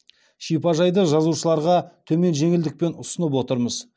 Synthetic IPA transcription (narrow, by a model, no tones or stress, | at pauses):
ʃijpɑʒɑjd̪əʒɑzuʃəlˠɑɾʁɑt̪ʰɵme̞nʒe̞ŋɪld̪ɪk̚pe̞nʊsənəp̬wo̞t̪əɾməz